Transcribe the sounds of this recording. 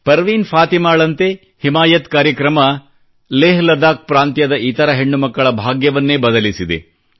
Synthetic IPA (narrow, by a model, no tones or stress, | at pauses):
pɐɾʋiːnpʰaːt̪imaːɭɐnt̪e | himaːjɐt̪kaːɾjɐkɾɐmɐ | leːɦlɐd̪aːk̚pɾaːnt̪jɐd̪ɐʔit̪ɐɾɐɦeɳːumɐkːɐɭɐbʱaːɡjɐʋɐnːeːbɐd̪ɐlisid̪ḛ